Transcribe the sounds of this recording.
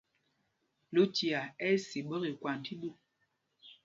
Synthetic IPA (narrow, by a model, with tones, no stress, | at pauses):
lo˦ti˨a˨ɛ˦si˨ɓə˦ɣi˨kwa˨n˨ti˦ɗu˦˨